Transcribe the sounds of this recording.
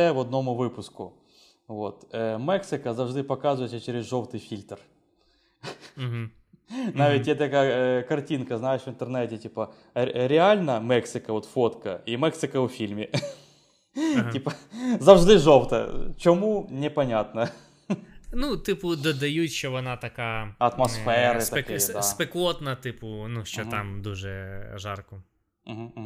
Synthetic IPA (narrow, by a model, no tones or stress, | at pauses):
ɛvɐd̪̚nomʊvɨpʊskʊ̰ | vot̪mɛksɨkəzɐvʐd̪ɨpɐkazʊjɪt̪ʲsʲət͡ɕeɾʲɪzʐowt̪ɨjfʲilʲt̪r | ɦ | naʋʲɪt̚ʲjeɛt̪ɐkajɐkɐrtʲinkɐznajɪʂʋɨnt̪ərnɛtʲɪtʲipɐ | ɾʲɪalʲnɐmɛksɨkɐvot̪fot̪kɐimɛksɨkəʊfʲilʲmʲɪ | tʲipəzɐvʐd̪ɪʐowt̪ɐ̰t͡ɕomunʲɪpɐnʲat̪nɐ | nut̪ɪpʊd̪ɔd̪ɐjutʲʃt͡ʃɔʋɔnɑt̪ɐkaɐt̪mɐsffɛɾɨt̪ɐkejd̪aspeklˠot̪nɐt̪ɪpʊnuʃt͡ʃɔamd̪uʐɛʒɑrkʊ | m̩ɦ̩ːm